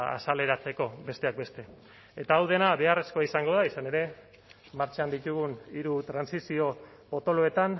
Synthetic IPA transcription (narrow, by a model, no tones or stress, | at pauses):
a̰sale̞ɾat͡se̞ko̞be̞st̪e̞ak̚be̞st̪e̞ | et̪aːwðenaβe̞are̞skoaisaŋɡo̞ðaisane̞ɾe̞ | maɾt͡ʃand̪it̪uɣ̞uniɾut̪ɾansisio̞po̞t̪o̞loe̞t̪an